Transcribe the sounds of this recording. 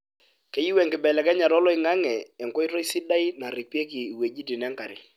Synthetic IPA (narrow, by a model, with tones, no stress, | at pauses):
ke˦ji˦wɛ˨ŋkɪ˨bɛ˨lɛ˨kɛ˦ɲa˨ɾɔ˦lɔ˦ɪ˨ŋa˦ŋɛ˨ɛ˨ŋkɔ˦i˦ro˦i˦si˦da˦jna˨ɾi˨pe˦ki˨i˨we˨d͡ʒi˦ti˨nɛ˦ŋka˨ɾɪ̰˦